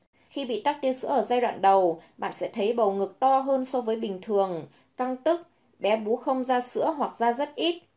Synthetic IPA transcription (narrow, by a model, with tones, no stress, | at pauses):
xi˧ɓḭ˧˨t̪aː˦˥k̚t̪i˧ənsɨ̰˧˥ʔəː˧˩zaː˧jɗwa̰ː˧˨nɗə˨˩wɓa̰ː˧˨nsɛ̰˧˥t̪ʰə˨˦jɓə˨˩wŋɨ˨˩k̚t̪ɔ˧ɦəː˧nsɔ˨˧˦vəː˨˦jɓï˨˩ŋ̟t̪ʰɨ˨˩əŋ | ka˧ŋt̪ɨ˦˥k̚ | ɓɛ˨˦ɓu˨˦xə˧wŋ͡mzaː˧sɨ̰˧˥əɦwa˨˩k̚zaː˧zə˦˥t̚ʔi˦˥t̚